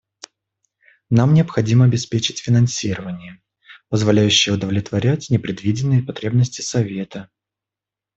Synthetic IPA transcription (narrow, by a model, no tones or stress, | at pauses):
namnʲɪɐpxɐdʲiməɐbʲɪspʲet͡ɕɪtʲfʲɪnɐnsʲiɾəvənʲɪjə | pəzvɐlʲæjʉɕːɪjəʊd̪əvlʲɪt̪vɐɾʲætʲnʲɪpɾʲɪd̪vʲidʲɪnːɨjəpɐt̪ɾʲe̞bnəsʲtʲɪ̥sɐvʲe̞t̪ə